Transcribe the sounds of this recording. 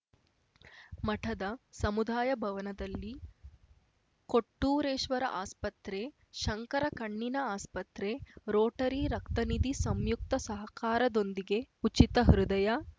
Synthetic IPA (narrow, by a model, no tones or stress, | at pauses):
mɐʈʰɐd̪ɐsɐmud̪ʱaːjɐbʱɐʋɐnɐd̪ɐlːi | koʈːuːɾeːʃʋɐɾɐ̰ʔaːspɐt̪ɾe | ʃɐŋkɐɾɐkɐɳːinɐaːspɐt̪ɾeɾoːʈɐɾiɾɐkt̪ɐnid̪isɐmjuk̚t̪ɐsɐɦɐkaːɾɐd̪o̞nd̪iɡe̞ut͡ʃit̪ɐɦɐɾud̪ɐjɐ